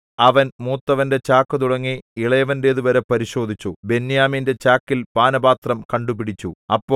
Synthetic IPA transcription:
ɐʋɐnmuːt̪ːɐʋɐnde̞t͡ɕaːkːɨt̪̬uɽɐŋːiiɭɐjɐʋɐnde̞ːðuʋɐɾepɐɾiɕo̞ːd̪ʱit͡ɕːube̞nːjaːminde̞t͡ɕaːkːilpaːnɐbaːt̪rɐmkɐɳɖupiɽit͡ɕːuɐpːoː

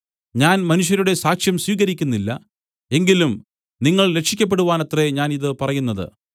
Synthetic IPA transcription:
ɲaːnmɐnuʂ̬jɐɾuɽe̞saːkʂjɐmsʋiːɣɐɾikʲːunːilːɐ̰ | e̞ŋɡilum | niŋːɐɭlekʂikʲːɐp̬ːe̞ɽuʋaːnɐt̪re̞ɲaːniðɨpɐrɐjunːɐðɨ̰

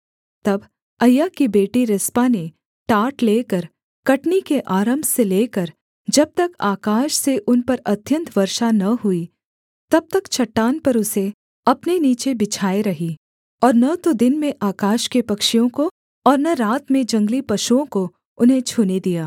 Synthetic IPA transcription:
t̪ɐb | ɐjːaːkibeːʈiɾɪspane | ʈaːʈleːkəɾ | kɐʈnikeʔaːɾəmbʱseleːkɐɾ | d͡ʒɐb̚t̪ɐkaːkaːʃseʔʊnpɐɾɐt̪jə̃nt̪ʰʋɐɾʃanɐɦʊi | t̪ɐb̚t̪ɐkt͡ʃʰɐʈːaːnpɐɾʊse | ɐpneniːt͡ʃebɪt͡ʃʰaːeɾɐɦi | ɔːɾnɐt̪od̪ɪnmẽʔaːkaːʃkepɐkʃijõko | ɔːɾnɐɾaːt̪mẽd͡ʒɐ̃ŋɡlipɐʃuõko | ʊnɦẽt͡ʃʰuːned̪ijaː

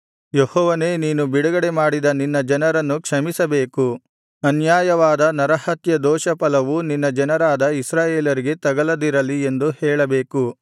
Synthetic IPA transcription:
jehɔːʋɐneːniːnubiɽɐɡɐɽemaːɽid̪ɐninːɐd͡ʒɐnɐɾɐnːukʂɐmisɐbe̞ːku | ɐnjaːjɐʋaːd̪ɐnɐɾɐhɐt̪jɐd̪ɔːʃɐpɐlɐʋuninːɐd͡ʒɐnɐɾaːd̪ɐisɾaːjeːlɐɾiɡe̞t̪ɐɡɐlɐd̪iɾɐlie̞nd̪uhɛːɭɐbeːku

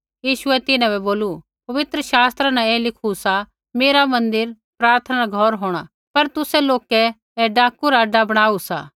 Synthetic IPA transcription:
jiːʃʊɛt̪ɪnãbɛboːlu | pɐʋɪt̪ɾəʃaːst̪ɾanaɛːlɪkʰusa | meːɾamɐ̃nd̪ɪɾ | pɾaːɾt̪ʰənaɾaɡʱɔɾɦoːɽ̃a̰ | pɐɾt̪ʊsɛloːkɛ | ɛɖaːkuɾaɖabɐɽ̃aːusa̰ː

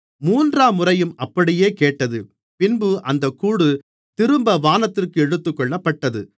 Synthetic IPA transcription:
muːndraːmʊrɐjɯmɐpːɐɽɪjeːkeːʈːɐðɯ | pɪnbɯʔɐnd̪ɐkːuːɽɯ | t̪ɪɾɯmbɐʋaːnɐt̪ːɪrkɯɛɽɯt̪ːɯkːɔɭːɐpːɐʈːɐðɯ̰

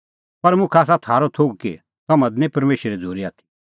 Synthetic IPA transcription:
pɐɾmʊkʰaːs̬at̪ʰaːɾot̪ʰoːɡkḭ | t̪ɐmãd̪nĩpɐɾmeːʃɾed͡zʱuːɾiaːt̪ʰi̥

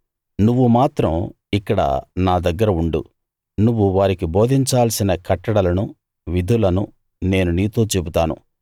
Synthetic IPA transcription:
nuʋːumaːt̪ɾɐm | ikːɐɽɐ̰naːd̪ɐɡːɐɾɐuɳɖṵ | nuʋːuʋaːɾikibo̞ːd̪ʱiɲt͡ʃaːlsinɐkɐʈːɐɽɐlɐnu | ʋid̪ʱulɐnu | ne̞ːnuniːt̪o̞ːt͡ʃe̞but̪aːnṵ

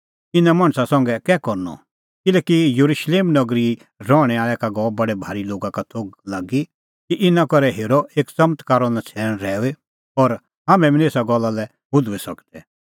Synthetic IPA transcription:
ɪnãmɐ̃ɳ̃sasɐ̃ŋɡɛkɛːkɔɾnɔ̰ | kɪlɛːkijɐɾuʃleːmnɐɡɾi | ɾɔːɽ̃ɛaːɭɛkaɡɔːbɐɽebʱaːɾiloːɡakat̪ʰoːɡ̚laːɡi | kiʔɪnãkɔɾɛɦeːɾɔʔeːksɐmt̪kaːɾɔnɛ̃t͡sʰɛːɽ̃ɾɛːe | ɔɾ | ɦaːmɛ̃mɪneːsaɡɔlːalɛ | bʊd̪ʱuesɐkt̪ɛ

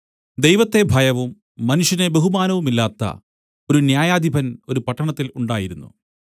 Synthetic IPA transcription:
d̪e̞jʋɐt̪ːe̞bʱɐjɐʋumː | ɐnuʂjinebe̞ɦumaːnɐʋumilːaːt̪ːɐ̰ | o̞ɾunjaːjaːd̪ʱibʱɐno̞ɾupɐʈːɐɳɐt̪ːiluɳɖaːjiɾunːṵ

